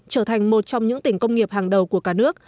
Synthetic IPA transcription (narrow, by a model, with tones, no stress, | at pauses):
t͡ɕəː˧˩t̪ʰa˨˩jŋ̟mo˨˩t̚t͡ɕɔ˧wŋ͡mɲɨ̰˧˥ŋt̪ï˧˩ŋ̟kə˧wŋ͡mŋi˨˩əp̚haː˨˩ŋɗə˨˩wku˧˩əkaː˧˩nɨ˦˥ək̚